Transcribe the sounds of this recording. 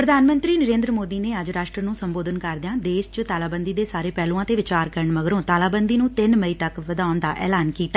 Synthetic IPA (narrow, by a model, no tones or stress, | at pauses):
pɾəd̪ʱaːnmə̃nt̪ɾiːnəɾẽːnd̪ɾəmoːd̪iːneːəd͡ʒɾaːʃʈɾənũːsəmboːd̪ənkəɾd̪ɪjãːd̪eːʃt͡ʃt̪aːlaːbənd̪iːd̪eːsaːɾeːpɛːlũːãːt̪eːʋɪt͡ʃaːɾkəɾəɳməɡɾõːt̪aːlaːbənd̪iːnũːt̪ɪnməiːt̪əkʋəd̪aːnd̪aːʔɛ̰ːlaːnkiːt̪aː